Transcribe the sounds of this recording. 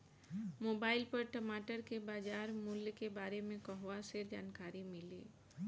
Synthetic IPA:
moːbaːɪlpɐɾʈəmaːʈəɾkebaːd͡ʒaːɾmʊljkebaːɾemẽkɔɦʋased͡ʒaːnkaːɾimɪlḭː

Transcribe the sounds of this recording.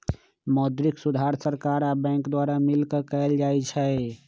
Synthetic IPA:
mɔd̪ɾiksud̪ʱaɾsəɾkaɾabɛ̃ŋkd̪waɾamilkekɛeld͡ʒajt͡ʃʰɛ

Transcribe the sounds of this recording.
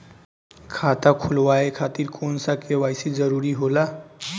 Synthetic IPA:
kʰat̪akʰulwaekʰat̪iɾkʰonsakewajsid͡ʒəɾuɾiɦola

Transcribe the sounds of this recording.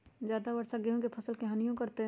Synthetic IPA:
d͡ʒjaːd̪abɐɾsaɡiɦõkepʰɐsəlkeɦɐnijõkɐɾt̪eɦ

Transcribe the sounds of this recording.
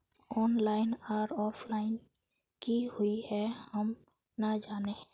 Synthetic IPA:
ɔːnlaːɪnaɾɔːpʰlaɪn | kihʊihɛhəm | nad͡ʒaːneɦɛ̃

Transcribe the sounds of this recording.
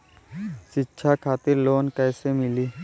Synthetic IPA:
ʃɪtːʃʰakʰaːt̪ɪɾloːnkɛːsemɪliː

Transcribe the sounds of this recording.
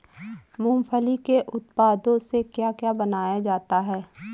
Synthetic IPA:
mũːmpʰəlikeʔʊt̪paːd̪õsekjaːkjaːbənaːjad͡ʒaːt̪aɦɛː

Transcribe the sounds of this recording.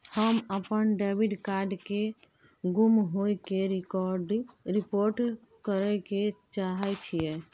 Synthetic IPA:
həməpənɖɛbiɖkaɾɖke | ɡumɦojkeɾɔɾɖɾipoɾʈ | kəɾɛket͡ʃaɦɛt͡ʃʰijɛ

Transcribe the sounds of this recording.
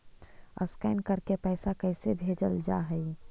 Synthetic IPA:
ə̰skaɪnkəɾkepɛɪsakəɪsebʱeːd͡ʒəld͡ʒa̰ɦəi

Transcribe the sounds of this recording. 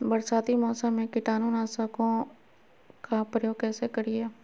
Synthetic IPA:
bəɾsaːt̪imɔːsəmːẽkɪʈaːnuːnaːsəkõ | kapɾəjoːɡ̚kɛːsekəɾiɛː

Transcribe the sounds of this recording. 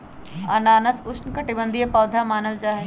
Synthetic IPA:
ɐnaːnɐsʊʃnkɐʈibə̃nd̪ʱijepɐːd̪ʱamaːnəld͡ʒaːɦe

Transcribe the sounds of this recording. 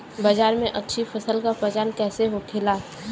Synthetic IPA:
baːd͡ʒaːɾmẽʔɐtːʃʰifəsəlkapəd͡ʒaːnkɛːseɦokʰɪla

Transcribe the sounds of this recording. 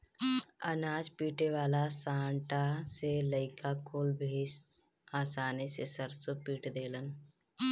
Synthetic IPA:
ənaːd͡ʒpiːʈeʋaːlasaːɳʈaseləɪkakoːlbʱeːd͡ʒ | aːsaːnisesəɾsopiːʈd̪eːlən

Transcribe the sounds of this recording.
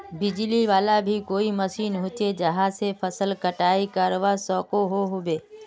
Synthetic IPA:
bɪd͡ʒliʋaːlabʱikoːiməsiːnɦʊt͡ʃed͡ʒəɦãsepʰəsəlkəʈaːikaːɾʋasɔːkoɦoɦobeː

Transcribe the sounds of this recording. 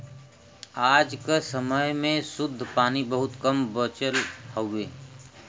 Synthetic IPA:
aːd͡ʒkesəməjmẽsʊd̪ʱːpaːnibəɦʊt̪kəmbət͡ʃəlhoeː

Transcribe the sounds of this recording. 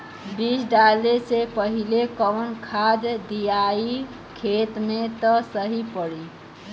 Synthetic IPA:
bisɖalesepəɦilekəwənkʰad̪d̪ijai | kʰet̪met̪ɔsəɦipəɽi

